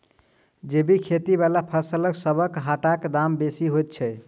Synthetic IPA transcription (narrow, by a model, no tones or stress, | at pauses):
d͡ʒebikʰet̪ibalapʰəɾsələksəbʱəkɦaʈakd̪ambesiɦojt̪̚t͡ʃʰɛ